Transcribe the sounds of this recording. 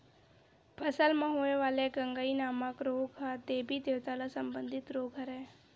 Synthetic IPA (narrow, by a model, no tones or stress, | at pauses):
pʰəsəlmãɦoeʋaːleɡəŋɡainaːmãkɾoːɡɦat̪eːbʱid̪eʋt̪alasəmbə̃nd̪ʱɪt̪ɾoːɡɦəɾeː